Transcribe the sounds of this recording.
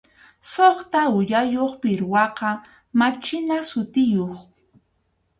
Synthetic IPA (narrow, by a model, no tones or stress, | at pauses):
soχt̪aʊjajoχpɪɾwɑqɑ | mat͡ʃɪnasʊt̪ɪjoχ